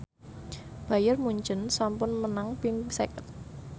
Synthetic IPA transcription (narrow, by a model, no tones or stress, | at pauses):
b̥a̤jərmuɲt͡ʃənsampʊnmənaŋpiŋsekət̪̚